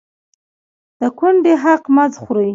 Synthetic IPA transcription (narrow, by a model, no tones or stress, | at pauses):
d̪̥əkʊɳɖeɦaqmazxɾəj